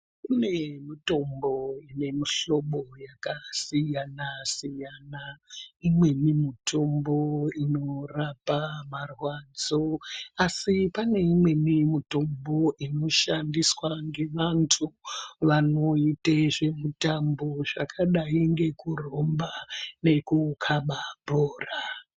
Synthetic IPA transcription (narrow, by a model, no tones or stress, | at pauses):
kunemito̞mboine̞miɬo̞ɓo̞jakasijanasijanaimwe̞nimitʰo̞mbo̞ino̞rapamarwad͡zoasipane̞imwe̞nimito̞mbo̞ʔino̞ʃandiswaŋɡe̞ʋantʰuʋano̞iteʐe̞mutamboʐakʰaɗaiŋɡe̞kuro̞mbane̞kukʰaɓabʱoːra